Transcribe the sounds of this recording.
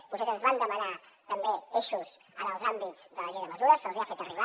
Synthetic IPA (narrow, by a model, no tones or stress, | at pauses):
pusezənzβand̪əməna | t̪əmbeeʃuz | ənəlˠzambitd͡zd̪ələʒejðəməzuɾəsəlziafet̪əriβa